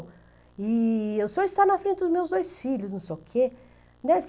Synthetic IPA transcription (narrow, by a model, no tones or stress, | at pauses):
ɪewsoɾɪst̪aɾnɐfɾẽt̪ɪd̪ʊzmewzd̪ojsfiʎʊsnũw̃sejʊkʰe | d̪ɛɾf